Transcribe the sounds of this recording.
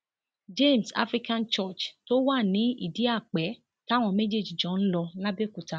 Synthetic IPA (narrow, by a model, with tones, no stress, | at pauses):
d͡ʒe˦˨m̩˨sa̰˦fɾi˦kã˦˨nt͡ʃɔ˦˨t͡ʃto˦wa˦˨nĩ˨˦ḭ˦˨di˨˦a˦˨k͡pɛ˨˦ | ka˦˨w̃ɔ̃˧me˦d͡ʒe˦˨d͡ʒi˨d͡ʒɔ̃˨˦n̩˦lɔ˧la˦be˦˨ku˨ta˨˦